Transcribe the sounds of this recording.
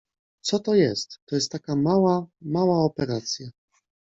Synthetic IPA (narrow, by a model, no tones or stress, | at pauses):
t̪sɔt̪ɔjɛst̪ːɔjɛst̪ːakamawamawaɔpɛɾat̪sʲja